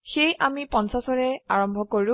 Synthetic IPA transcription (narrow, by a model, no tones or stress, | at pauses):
xejʔamipɔnsasɔɹɛaɹɔmbʱɔkoɹʊ̃